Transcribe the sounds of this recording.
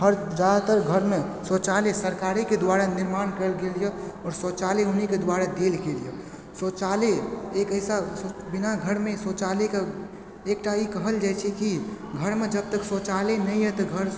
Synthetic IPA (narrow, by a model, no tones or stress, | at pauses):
ɦəɾd͡ʒad̪at̪əɾɡʱəɾme | sot͡ʃalesəɾkaɾiked̪waɾaniɾmankəɾlɡelijɔɔɾsot͡ʃaleuniked̪waɾad̪elɡelijə | sot͡ʃaleekəjsabinaɡʱəɾmesot͡ʃaleke | ekʈaikəɦəld͡ʒat͡ʃʰɛkiɡʱəɾmed͡ʒəb̚t̪əksot͡ʃalenəjjɛt̪ɔɡʱəɾ